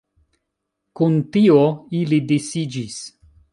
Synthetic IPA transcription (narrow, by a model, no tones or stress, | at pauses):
kuntioilidesid͡ʒis